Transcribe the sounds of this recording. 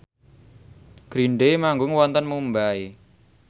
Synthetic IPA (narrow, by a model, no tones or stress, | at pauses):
ɡ̥ɾiɳɖemaŋɡʊŋwɔnt̪ənmumbae